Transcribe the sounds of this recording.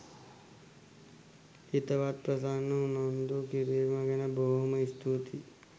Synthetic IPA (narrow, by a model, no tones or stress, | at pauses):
it̪ɐʋat̪̚pɾɐsaːnːɐunand̪ukiɾeːmɐɡɐnɐboːɦɐmɐist̪ʰut̪i